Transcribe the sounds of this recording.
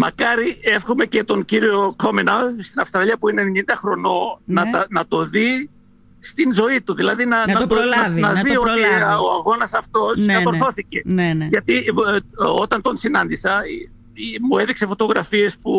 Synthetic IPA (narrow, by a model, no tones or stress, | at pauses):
mɐ̰kɐɾie̞fxome̞ce̞t̪o̞nciɾio̞ko̞minɐst̪inɐfst̪ɾɐʎiɐpuineneɲind̪ɐxɾo̞no̞nɐt̪ɐnɐt̪o̞ði | st̪inzo̞it̪uðilɐðinɐnɐt̪onɐðio̞t̪io̞ɐɣo̞nɐsɐft̪o̞skɐt̪oɾθθo̞θice̞ʝɐt̪i | o̞t̪ɐnt̪o̞nsinɐnd̪isɐi | imue̞ðiksefo̞t̪o̞ɣɾɐfie̞spu